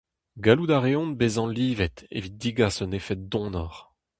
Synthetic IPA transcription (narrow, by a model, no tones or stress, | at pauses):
ɡalud̪aʁeɔ̃nbezɑ̃liːvɛt̪ḛvit̚d̪iɡasɔnefɛt̪̚d̪ɔ̃ːnɔʁ